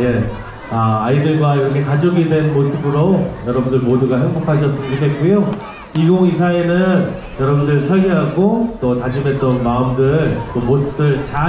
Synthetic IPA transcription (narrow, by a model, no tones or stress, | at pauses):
e̞ | aaidɯɭɡwaiɾʌkʰe̞kad͡ʑoɡidwe̞nmosʰɯbɯɾojʌɾʌbundɯɭmoduɡaɦeŋbokʰaɕ̬ʰʌs͈ɯmidɯk͈ʰe̞t̚k͈ujo | iɡoŋis̬ʰae̞nɯn | jʌɾʌbundɯɭsʰʌɭɡeɦaɡot͈otad͡ʑumɦe̞t̚t͈ʌnmaɯmdɯɭt͈omosʰɯ̥p̚t͈ɯɭt͡ɕa